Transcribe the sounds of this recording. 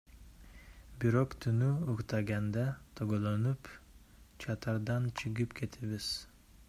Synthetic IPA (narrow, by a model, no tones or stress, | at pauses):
biɾoqt̪ʰynyuqt̪ʰɑɡand̪æt̪ʰoɡolˠɑnyp | t͡ʃʰɑt̪ʰɑɾd̪ɑnt͡ʃʰɯɡɯpkʲʰe̞t̪ʰiβiz̥